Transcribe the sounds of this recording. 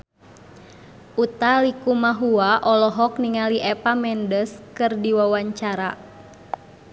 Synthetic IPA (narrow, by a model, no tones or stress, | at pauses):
ʔut̪alikumaɦuaʔɔlɔɦɔkniŋaliʔɛpamɛndəskɨrdiwawaɲt͡ʃaɾa